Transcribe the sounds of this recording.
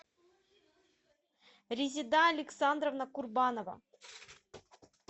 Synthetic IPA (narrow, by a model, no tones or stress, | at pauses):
ɾʲɪzʲɪd̪aɐlʲɪksand̪ɾəvnɐkurbanovɐ̰